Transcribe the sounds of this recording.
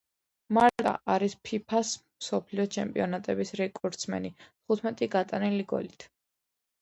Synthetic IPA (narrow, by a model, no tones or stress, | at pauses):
maɾt̪ʼa̰ʔaɾispʰipʰasmsɔpʰliɔt͡ʃʰɛmpʼiɔnat̪ʼɛbisɾɛkʼɔɾt̪sʰmɛ̰nit̪ʰχut̪ʰmɛt̪ʼiɡat̪ʼaniliɡɔ̰lit̪ʰ